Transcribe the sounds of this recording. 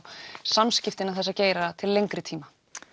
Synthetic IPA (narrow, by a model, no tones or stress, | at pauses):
samscɪft̪ɪnaθɛsaceːjɾat̪ʰɪllːejŋkɾɪt̪ʰiːma